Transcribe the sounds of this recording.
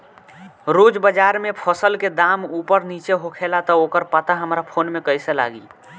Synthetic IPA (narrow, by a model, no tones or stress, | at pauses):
ɾod͡ʒbəd͡ʒaɾmepʰɔsəlked̪amupəɾnit͡ʃeɦokʰelat̪ɔokəɾpət̪aɦəmɾapʰonmekəjsela̰ɡil